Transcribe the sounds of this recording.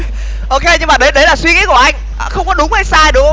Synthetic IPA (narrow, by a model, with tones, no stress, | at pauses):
ʔo˧ke˧ɲɨ˧ŋmaː˨˩ɗe˧˦ɗə˨˦laː˨˩swi˧ŋḭ˨˧˥ku˧˩ʔa˧jŋ̟ʔːxə˧wŋ͡mkɔ˨˦ɗʊ˨˦ŋ͡mhə˨˦jsaː˧jɗɨ˨˩ək̚x